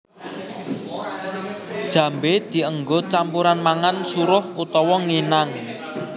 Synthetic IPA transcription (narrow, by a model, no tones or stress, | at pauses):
d̥ʒ̥ä̤mbed̪̥i̤əŋɡot͡ʃampuɾanmaŋansuɾʊhut̪ɔwɔŋenaŋ